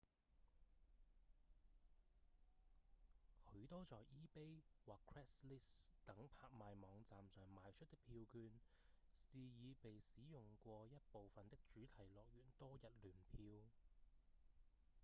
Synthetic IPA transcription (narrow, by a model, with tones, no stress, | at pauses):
hɵ˨˧˥ɥt̪ɔː˥t͡sɔː˨jʔiː˥pe˥jwaː˨kʰɹɛː˥sliː˥st̪ɐ˨˥ŋpʰaː˧k̚maː˨jmɔː˨˧ŋt͡saː˨msœː˨ŋmaː˨˧jt͡ʃʰɵ˥t̚t̪ɪ˥pʰiː˧wkyː˧n | siː˨jiː˨˧pe˨jsiː˨˥jʊ˨˩ŋkʷɔː˧jɐ˥t̚po˨wfɐ˨nt̪ɪ˥k̚t͡ʃyː˨˥t̪ʰɐ˨˩jlɔː˨˩k̚jyː˨˩nt̪ɔː˥jɐ˨t̚lyː˨˩npʰiː˧w